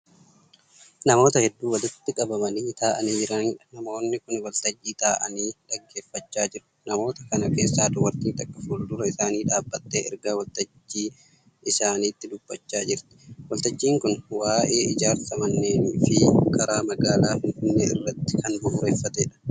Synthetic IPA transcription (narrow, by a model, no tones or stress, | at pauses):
nɐmo̞ːt̪ɐhɛd̪ːuːwɐlɪt̪ːɪkʼɐbɐmɐniːt̪aːʔɐniːd͡ʒɪɾɐnᶑɐnɐmo̞ːnːɪkʊnwɐlt̪ɐd͡ʒːiːt̪aːʔɐ̰niːᶑɐɡːe̞ːfːɐt͡ʃːaːd͡ʒɪɾʊ̥nɐmo̞ːt̪ɐkɐnɐke̞ːsːaːd̪ʊwɐɾt̪iːnt̪ɐkʼːɐfuːld̪ʊɾɐɪsaːniːᶑaːbːɐt̪ːeːɛ̰ɾɡaːwɐlt̪ɐd͡ʒːiː | ɪsaːniːt̪ːɪd̪ʊb̥ːɐt͡ʃːaːd͡ʒɪɾt̪ɪ̥wɐlt̪ɐd͡ʒːiːŋkʊnwaːʔe̞ːɪd͡ʒaːɾsɐmɐnːeːniːfɪkɐɾaːmɐɡaːlaːfɪnfɪnːeːɪ̰rːɐt̪ːɪ̥kɐnbʊʔʊɾeːfːɐt̪eːᶑɐ̥